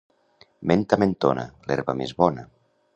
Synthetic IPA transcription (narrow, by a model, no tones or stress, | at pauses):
ment̪ament̪ona̰lɛɾβamezβɔnə